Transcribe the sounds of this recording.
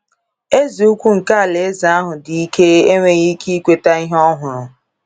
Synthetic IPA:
e˦zi˨u˦kʷu˦ŋ̩˨ka˦a˨le˨e˦za˨˦a˦ɦʊ˨di˨i˦ke˦e˦ŋʷe˦ɣi˦kʰi˦i˦kʷe˦ta˦i˦ɦɔ˦ɦʊ˨ɾʊ˨

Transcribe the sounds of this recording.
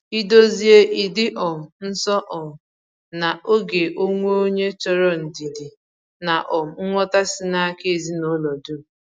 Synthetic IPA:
i˦do˦zi˦e˦ʔi˨dɪ˦ʔɔ˨m̩˨n̩˦sɔ˦ʔɔ˨m˨ | na˨ʔo˦ɡe˨ʔo˦ŋʷo˦o˦ɲe˦t͡ʃɔ˦ɾɔ˦n̩˨di˨di˨ | na˨ʔɔ˨m̩˨˦ŋʷɔ˦ta˦sɪ˦na˦a˦ke˦˨zi˦no˦lɔ˨du˦˨

